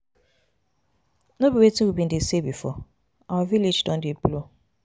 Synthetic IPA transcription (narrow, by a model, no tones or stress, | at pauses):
nobiwetuwibin̩disebifɔ̰ | awavilid͡ʒdɔ̃n̩diplo